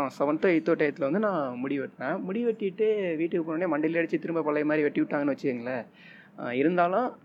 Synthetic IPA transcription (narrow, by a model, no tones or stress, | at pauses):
ãːsɐʋɐnt̪ɐɪt̪ːoːʈːɐjɐt̪ːɪlɐʋɐnd̪ɯnãːmʊɽɪʋɛʈːɾɛ̃ːmʊɽɪʋɛʈːɪʈːɯʋiːʈːɯkːɯpːoːɽneːmɐɳɖɪlɐɽɐt͡ʃːɯt̪ɪɾɯmbɐpɐɭːɐjmaːd̪ɾiʋɛʈːiʋɪʈːaːŋɡɐnɯʋɐt͡ʃːɯɯŋɡɐɭɐ | ɪɾɯnd̪aːlʊ̃